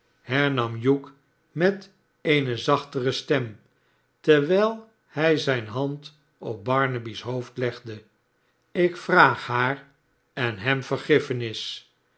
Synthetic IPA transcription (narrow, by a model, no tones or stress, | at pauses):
hɛɹnɑmjuk | mɛt̪ | ejnəzɑχt̪əʁəstɛm | t̪əʋɛjlˠ | hɛjzɛjnɦɑnt | ɔp̚bɑɹnəbisɦoʊftlɛχdə | ɪkfraːχhaːr | ɛnɦɛmfəɹχɪfənɪs